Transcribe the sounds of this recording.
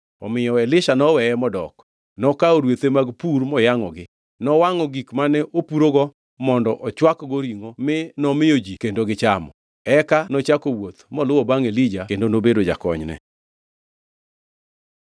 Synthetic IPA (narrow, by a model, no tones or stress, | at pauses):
ɔ̰mɪjɔɛlɪʃanɔwɛɛmɔdɔk | nɔkaɔɾwet̪emaɡpuɾmɔjaŋɔɡɪ | nɔwaŋɔɡikmanɛʔopuɾoɡɔ | mɔndɔʔɔt͡ʃwakɡoɾiŋomɪnɔmɪjod͡ʒikendoɡɪt͡ʃamɔ̰ | ɛkanɔt͡ʃakowot̪mɔlʊɔbaŋelid͡ʒakendonobedod͡ʒa̰kɔɲnɛ̰